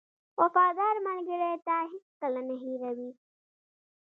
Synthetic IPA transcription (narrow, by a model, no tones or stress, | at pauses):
wafɑd̪ɑɾmalɡəɾet̪aɦit͡skalanaɦiɾawi